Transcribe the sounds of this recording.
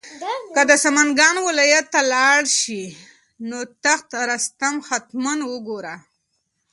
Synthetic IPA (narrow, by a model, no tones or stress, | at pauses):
kəd̪əsamanɡɑnwɪlɑjat̪ːalɑɽʃi | not̪axt̪ɾast̪amxat̪manwəɡoɾa